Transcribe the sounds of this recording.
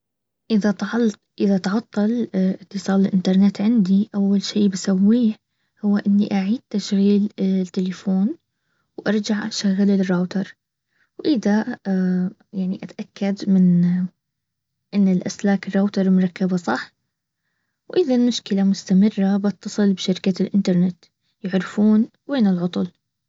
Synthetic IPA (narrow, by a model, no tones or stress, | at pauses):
ʔɪða | ʔɪðat̪ʕɑt̪ˤːɑlɪt̪ːɨsˤɑːlɪlʔɪnt̪ɑɾˤnɛt̪ːʕɪnd̪iʔawːalʃiːbasawːiː | hʊwːaʔɪnːiʔaʕiːd̪̚t̪aʃɣiːlt̪ːɪlɪfoːn | wʔɑɾˤd͡ʒaʕʔaʃaɣːalɪrːˤoːt̪ɑɾˤ | wʔɪða | jaʕniʔat̪ʔakːad̪mɪn | ʔɪnːɪlʔa̰slaːkɪrˤːoːt̪ɑɾˤmʊɾˤɑkːabasˤɑħ | wʔɪðalmʊʃkɪlamʊst̪amɪrˤːabɑt̪ːɑsˤɨlbʃaɾkalʔɪnt̪ɑɾˤnɪt̪ | jɪʕɾɪfuːn | weːnɪlʕʊt̪ˤʊl